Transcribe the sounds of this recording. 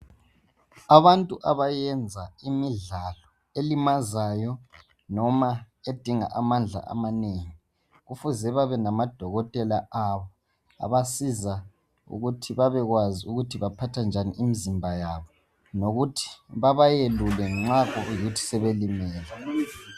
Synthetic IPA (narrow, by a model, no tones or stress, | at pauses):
aβantʼuʔaβajɛnd͡zʱaimiɮalɔ | elimazajɔ | nɔma | ed̥ʱiŋa̰ʔamand͡ɮʱa̰ʔa̰maneːŋi | ɣufuzɛβaβɛnamad̥ʱɔɣɔtʼɛlaʔaβɔ | a̰βasiza | ṵɣutʰiβaβɛɣwaziuɣutʰiβapʰatʰand͡ʒʱaniʔimizimbʱajaβɔ | noɣutʰi̥βaβajelulɛŋ͡ǁakʼɔjiutʰi̥sɛβelimɛːlɛ